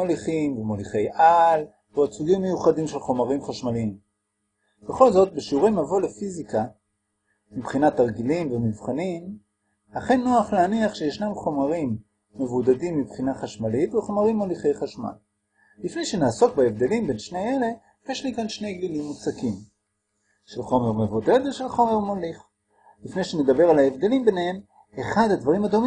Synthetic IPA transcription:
oliχimvemoliχe̞jʔal | vuat͡suɡimːe̞juχadimʃe̞lχo̞maʁimχaʃmaliim | b̥e̞χo̞lzo̞t̚beʃiuʁemavolefizika | mibχinataʁɡilimvemivχanim | laχe̞nːo̞aχleaniaχʃejeʃnamχo̞maʁimː | e̞vud̪adimːibχinaχaʃmalit̪veχo̞maʁimːoliχejχaʃma̰l | lifne̞jʃenaːso̞kbaevd̪e̞limbe̞nʃne̞jele̞ | jeʃlikanʃne̞jɡlilimːut͡sakim | ʃelχo̞me̞ʁmevud̪ed̪veʃelχo̞me̞ʁmoliχ | lifne̞jʃene̞d̪abe̞ʁalaevd̪e̞limbenehem | eχad̪had̪vaʁimad̪o̞mi

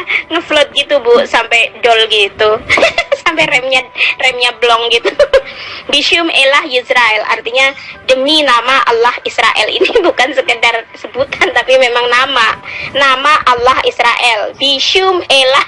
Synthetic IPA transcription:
ŋəflɔt̪̚ɡit̪ubusampɛjdɔlɡit̪usampɛrɛmɲarɛmɲablɔŋɡit̪u | biʃiʊmelahjisɾaɛla̰rt̪iɲadəminamaʔa̰lːahisɾaʔɛ̰lḭnibukansəkədarsəbut̪ʰant̪apimemaŋnamanamaʔalːahisɾaʔɛlbiʃʊmela

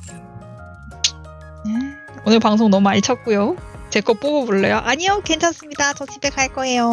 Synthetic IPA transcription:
ne | onɯɭpaŋsʰoŋnʌmuaɭt͡ɕʰʌt̚k͈ujo | t͡ɕe̞k͈ʌp͈oɡoboɭːejoʔaɲijoke̞nt͡ɕʰʌs͈ɯmɲidat͡ɕʌt͡ɕibekʰaɭk͈ʌɦe̞jo

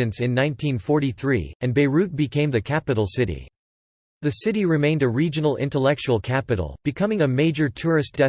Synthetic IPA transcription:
ɨ̃nsɨ̃nːãɪ̃ntʰĩnfɔɹɾiθɹḭɨ̃nbeɪɹʉt̚b̥ɨkʰẽɪ̃mðɨkʰæpɨɾl̩ˠsɪɾḭ | ðɨsɪɾiɹɨmẽɪ̃ndɨɹid͡ʒɨnl̩ˠɪ̰̃ntəlɛk̚t͡ʃul̩ˠkʰæpɨɾl̩ˠb̥ɨkʰʌ̃mɪ̃ŋɨmeɪd͡ʒə˞tʰʊɹɨsd̥ɛ

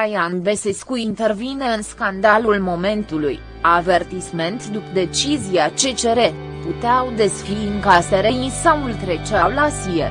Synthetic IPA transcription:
ajanve̞seskuint̪e̞rvine̞ɨnskand̪alulmo̞me̞nt̪uluj | ave̞rt̪isme̞nt̪d̪upd̪e̞t͡ʃizijat͡ʃe̞t͡ʃe̞ɾe̞ | put̪eawd̪e̞sfiɨŋkaseɾeisawult̪ɾe̞t͡ʃawlasie

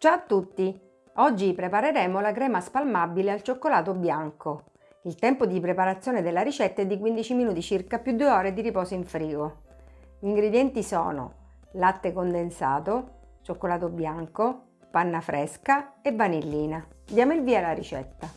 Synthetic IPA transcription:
t͡ʃaːt̪ːut̪ːi | ɔd͡ʒːipɾepaɾeɾɛːmolakɾɛːmaspalmabilealt͡ʃokːolaːt̪objaŋko | ilt̪ɛmpod̪ipɾepaɾat̪sːjoːned̪elːaɾit͡ʃɛt̪ːaɛd̪ːik̬wind̪it͡ʃiminuːt̪it͡ʃirkapːjud̪ːueɔːɾed̪iɾipɔːsoiɱfɾiːɡo | iŋɡɾed̪jɛnt̪isɔ̰ːno̰ | lat̪ːekond̪ensa̰ːt̪o | t͡ʃokːolaːt̪objaŋko | panːafɾʔɛskaevːanilːiːnad̪jaːmoilviːalaɾḭt͡ʃɛ̰t̪ːa

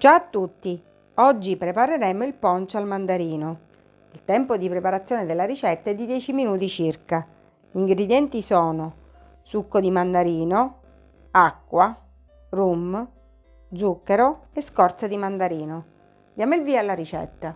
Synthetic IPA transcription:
d͡ʒaːt̪ːut̪ːi | ɔd͡ʒːipɾepaɾeɾɛmoilpɔnt͡ʃoalmand̪aɾiːno | ilt̪ɛmpod̪ipɾepaɾat̪sːjoːned̪elːaɾit͡ʃɛt̪ːaɛd̪ːid̪jɛːt͡ʃiminuːt̪it͡ʃirka | iŋɡɾed̪jɛnt̪isɔːno | sukːod̪imand̪aɾiːno | akːwa | rum | d̪zukːeɾoeskɔrt̪sad̪imand̪aɾiːno | d̪jaːmoilviːalːaɾit͡ʃɛ̰t̪ːa

